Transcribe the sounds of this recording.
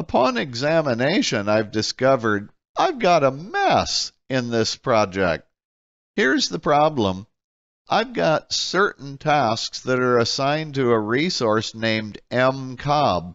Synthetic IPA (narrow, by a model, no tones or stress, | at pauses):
əpʰɑ̃nɨɡzæmɨneɪʃɨ̃naɪvdɨskʌvə˞ɾ | ʔaɪvɡɑɾəmæs | ɪ̃nðɪspʰɹ̥ɑd͡ʒɛ̰k̚t̚ | hiɹzðəpʰɹ̥ɑblə̃m | ʔaɪvɡɑtsɜ˞ʔn̩tʰæsksðɨɾə˞ɨsãɪ̃ntɨːɹisɔɹsnẽɪ̃mdɛ̃mkʰɑb̚